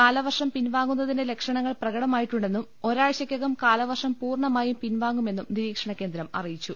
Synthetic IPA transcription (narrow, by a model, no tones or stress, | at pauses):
kaːlɐʋɐrʂɐmpinʋaːŋːunːɐðindele̞kʂɐɳɐŋːɐɭprɐɣɐɽɐmaːjiʈːuɳɖe̞nːum | o̞ɾaːɻɕjɐkʲːɐɣɐmkaːlɐʋɐrʂɐmpuːrɳɐmaːjumpinʋaːŋɡume̞nːumniɾiːkʂɐɳɐkːend̪ɾɐmɐ̰rijit͡ɕːu